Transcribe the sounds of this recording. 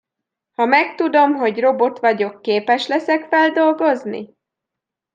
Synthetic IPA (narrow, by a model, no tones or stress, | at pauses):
hɒmɛkt̪ud̪o̞mɦo̞ɟro̞bo̞t̪ʋɒɟo̞kːeːpɛʃlɛsɛkfɛld̪o̞lɡo̞znḭ